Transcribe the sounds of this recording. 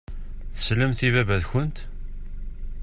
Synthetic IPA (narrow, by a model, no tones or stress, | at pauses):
θə̥sləmθivævæðçənt̪